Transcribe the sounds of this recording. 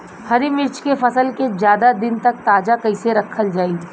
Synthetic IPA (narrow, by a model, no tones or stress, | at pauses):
hɐɾimɪɾt͡ʃkefɐsəlkezjaːd̪ad̪ɪnt̪ɐk̚t̪aːd͡ʒakɐɪseɾɐkʰːəld͡ʒaːi